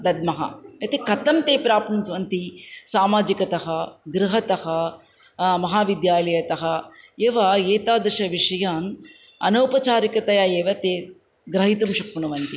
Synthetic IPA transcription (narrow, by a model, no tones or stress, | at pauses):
d̪ɐd̪̚mɐɦɐ̰ɐt̪ikɐt̪ɐmt̪eːpɾaːpnunsʋɐnt̪isaːmaːd͡ʒikɐt̪ɐɦɐɡɾuɦɐt̪ɐhɐ | mɐɦaːʋid̪jaːlɐjɐt̪ɐɦɐeːʋɐeːt̪aːd̪ɾɐʃɐʋiʂɐjaːn | ɐ̰nɐwpɐt͡ʃaːɾikɐt̪ɐjajeːʋɐt̪eː | ɡɾɐɦit̪umʃɐkpunɐʋɐnt̪i